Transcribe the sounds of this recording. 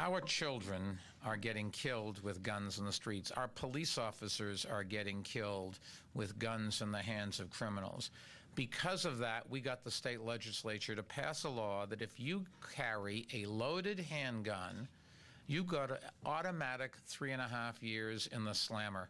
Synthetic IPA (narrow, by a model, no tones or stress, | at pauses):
ʔaʊə˞t͡ʃʰɪlˠdɹɨ̃n | ə˞ɡɛɾɪ̃ŋkʰɪlˠd̚wɨðɡʌ̃nzn̩ðəstɹ̥itsa̰ʊə˞pʰəlisɔfɨsə˞zə̰˞ɡɛɾɪ̃ŋkʰɪlˠd | wɪðɡʌ̃nzɨ̃nðɨɦæ̃ndzʌv̥kʰɹ̥ɪ̃mənl̩ˠz̥ | b̥ɨkʰʌzʌvðəʔ̚wiɡɑt̪̚ðəsteɪtˡlɛd͡ʒɨsleɪt͡ʃə˞ɾɨpʰæsəlɔðɨɾɨfjɨkʰɛɹiʔɨloʊɾɨd̚ɦæ̃nɡʌ̃n | jɨɡɑɾʔɔɾɨmæɾɨk̚θɹiɨ̃ñəɦæfjɪɹzɪ̰̃nðəslæ̃mə˞